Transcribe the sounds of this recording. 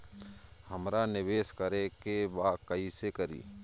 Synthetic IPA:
həmɾanɪʋeːskəɾekebaːkəisekəɾḭː

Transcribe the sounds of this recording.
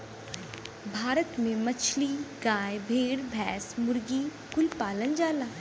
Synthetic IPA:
bʱaːɾət̪mẽmɐt͡ʃʰliɡaːjbʱeːɽbʱɛːsmʊɾɡi | kʊlpaːlənd͡ʒaːlaː

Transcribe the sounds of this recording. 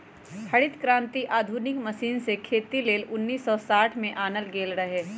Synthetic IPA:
hɐɽɪt̪kɾãːnt̪iʔaːd̪ʱunɪkmɐsiːnsekʰeːt̪ileːlʊnːiːsːɔːsaːʈʰmẽʔaːnəlɡeːlɾɐɦeː

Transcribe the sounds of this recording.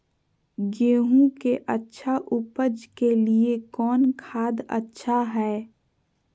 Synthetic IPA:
ɡeːɦũkeʔətːʃʰaʔʊpəd͡ʒkeliekɔːnkʰaːd̪ə̰tːʃʰaɦɛː

